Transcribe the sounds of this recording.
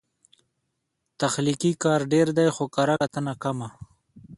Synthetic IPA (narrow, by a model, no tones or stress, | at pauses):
t̪axlikikɑːɾɖeɾd̪ajxokaɾaat̪ənakama